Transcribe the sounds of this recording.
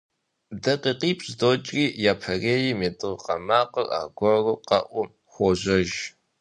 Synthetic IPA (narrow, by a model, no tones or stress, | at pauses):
dɐqiːqiːpʼɕdoːt͡ʃʼriːjaːpʰɐreːjimetʼɨʁqɐ̰maːqəra̰ːɡʷɔruqɐ̰ʔʷʊ | xʷɔʑɐʒ